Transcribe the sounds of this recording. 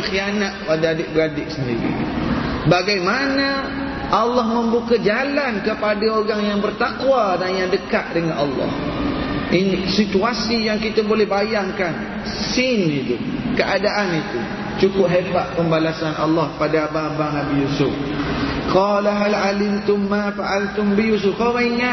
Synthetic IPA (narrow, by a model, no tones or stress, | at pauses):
ŋxianat̪̚padaadɪʔ̚bəɾadɪʔsəndiɾḭbaɡajmanə | ʔalːɑhmə̃mbukad͡ʒalankəpadaoɾaŋjaŋbərt̪akwadanjaŋdəkaʔ̪̚dəŋanʔɑlːɑ̰h | ʔinsit̪uasijaŋkit̪abolɛhbajaŋkan | sɪnit̪ukəʔadaʔanit̪u | t͡ʃukʊpɦebaʔ̪̚pəmbalasanʔɑ̰lːɑhpadaababanabijusʊfkɑlaɦalalɪmt̪ʊmːafaʔalt̪ʊmbijus̬ʊfkaɾaiŋa